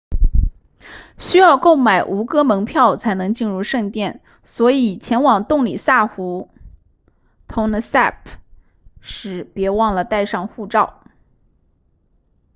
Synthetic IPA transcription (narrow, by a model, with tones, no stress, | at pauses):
ɕy˥jɑ˥˧ʊko˥˩ʊma˨˩ɪʔu˧˥kɤ˥mɤ˧˥ŋpʰjɑ˥˩ʊt͡sʰa˧˥ɪnɤ˧˥ŋt͡ɕi˥˧nɻu˥˧ʂɤ˥˧ŋt̪jɛ˥˩n | swɔ˧˥i˨˩t͡ɕʰjɛ˧˥nwɑ˨˩ŋt̪ʊ˥˩ŋli˨˩sa˥˩xu˧˥ | t̪ʰʊ˧˥ŋd̪ə˧sa˥˩pʰ | ʂɻ̩˧˩pjɛ˧˥wɑ˥˩ŋlə˩t̪a˥˧ɪʂɑ˥˧ŋxu˥˧ʈ͡ʂɑ˥˩ʊ